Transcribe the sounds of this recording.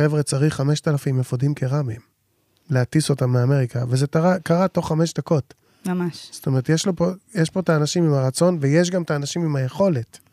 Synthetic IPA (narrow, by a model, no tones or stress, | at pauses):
χevʁet͡saʁiχame̞ʃtalafimefodimkeʁamim | leatiso̞tamːeame̞ʁikaveze̞taʁakaʁato̞χːameʃdako̞t | mamaʃz̥o̥t̪o̞me̞ʁet̪jeʃlopojeʃpo̞taːnaʃimimaʁat͡so̞nvejeʃ̬ɡamtaːnaʃimimhaje̞χo̞le̞t